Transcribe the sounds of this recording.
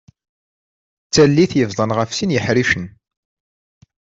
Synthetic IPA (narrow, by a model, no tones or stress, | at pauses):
t͡sːælːiθjəvðˤənʁəfsinjəħɾiʃən